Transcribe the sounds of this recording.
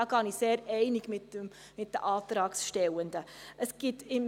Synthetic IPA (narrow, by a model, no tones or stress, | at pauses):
ɡɑniseːɾɛɪnɪɡmɪtə | mɪt̚d̥əʔɑːt̪ɾɑːksʃtɛwəndəʔəsɡ̥ɪtɪm